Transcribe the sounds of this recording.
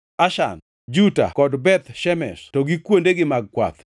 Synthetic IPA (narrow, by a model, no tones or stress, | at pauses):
aʃa̰n | d͡ʒuta̰kɔdbɛt̪ʃɛmɛstɔɡikwondeɡɪmaɡ̚kwa̰t̪